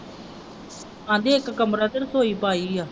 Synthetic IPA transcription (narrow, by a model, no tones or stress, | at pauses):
ãːnd̪eːɪkːkəmɾad̪əɾsoːiːpaːiːaː